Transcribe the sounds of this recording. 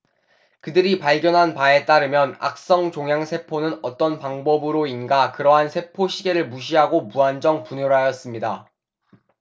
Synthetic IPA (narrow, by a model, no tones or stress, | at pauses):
kɯdɯɾipaɭɡjʌnɦanpae̞t͈aɾɯmjʌna̰k̚s͈ʌŋt͡ɕoŋjaŋsʰe̞pʰonɯnʌt͈ʌnpaŋbʌbɯɾoinɡakɯɾʌɦansʰe̞pʰoɕʰiɡe̞ɾɯɭmuɕʰiɦaɡomuɦand͡ʑʌŋpuɲjoɾɦajʌs͈ɯmɲida